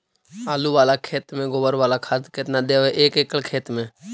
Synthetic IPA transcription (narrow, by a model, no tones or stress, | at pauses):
aːluːʋaːlaːkʰeːt̪mẽːɡoːʋəɾʋaːlaːkʰaːd̪ket̪nãːd̪eːeːʔeːkeːkəlkʰeːt̪mẽː